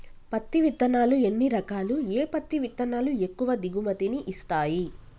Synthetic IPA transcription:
pɐt̪ːiʋit̪ːɐnaːlue̞nːiɾɐkaːlueːpɐt̪ːiʋit̪ːɐnaːlue̞kːuʋɐd̪iɡumɐt̪iniʔist̪aːji

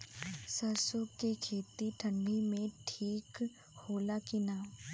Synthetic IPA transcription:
səɾsoɡkːekʰeːt̪iʈʰə̃ɳɖimẽʈʰiːk | hoːlakinaː

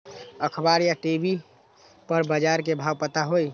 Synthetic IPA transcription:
əkʰbaɾjaʈebi | pəɾbəd͡ʒaɾkebʱaːwpət̪aɦoj

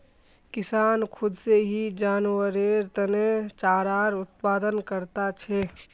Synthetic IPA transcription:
kɪsaːnkʰʊd̪seɦid͡ʒaːnwəɾeɾt̪ənet͡ʃaːɾaːɾʊt̪̚paːd̪ənkəɾt̪at͡ʃʰɛ

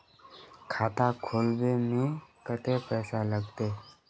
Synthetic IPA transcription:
kʰaːt̪akʰoːlbemĩːkət̪eːpɛːsaləɡt̪eː

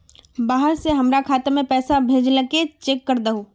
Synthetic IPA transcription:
baːɦəɾseɦɐmɾakʰaːt̪emẽpɛːsabʱeːd͡ʒlɐket͡ʃeːkːəɾd̪əɦoː

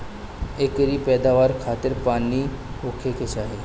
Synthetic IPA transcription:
ekəɾiːpɛd̪aʋaɾkʰat̪əɾpaniːokʰekeɕaɦe

